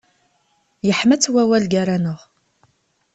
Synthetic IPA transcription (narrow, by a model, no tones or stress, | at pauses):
jəħmət͡sːwæwælɡaɾanʊʁ